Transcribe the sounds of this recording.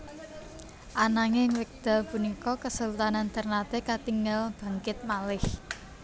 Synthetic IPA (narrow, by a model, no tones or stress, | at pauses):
ʔanaŋeŋwɪk̚d̪̥a̤lpunikɔkəsəlut̪anant̪ərnat̪ekat̪iŋəlb̥a̤ŋkɪt̪̚malɪh